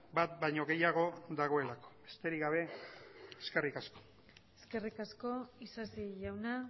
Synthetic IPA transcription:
bat̪bajɲo̞ɣe̞jaɣ̞o̞ðaɣ̞o̞e̞lako̥be̞st̪e̞ɾiɡaβ̞e̞ | eske̞rikasko̥ | eske̞rikasko̞isasiʝawna

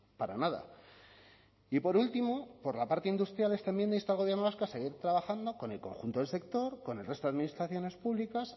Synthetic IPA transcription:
paɾanaða̰ | ipo̞ɾult̪imo̞po̞ɾlapaɾt̪eind̪ust̪ɾjalet̪aemje̞nd̪eist̪alɣo̞βje̞ɾnoβaskoase̞ɣ̞iɾt̪ɾaβaxand̪o̞ko̞ne̞lko̞̰ŋxunt̪oelse̞k̚t̪o̞ɾko̞ne̞lrest̪oaðminist̪ɾaθjo̞ne̞spuβlikas

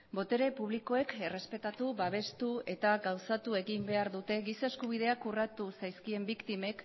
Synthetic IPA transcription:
bo̞t̪e̞ɾe̞puβ̞liko̞e̞kere̞spe̞t̪at̪uβaβ̞e̞st̪ue̞t̪aɡawsat̪ue̞ɣimbe̞aɾðut̪e̞ɣisaeskuβ̞ið̞e̞akurat̪usajskie̞mbikt̪ime̞k

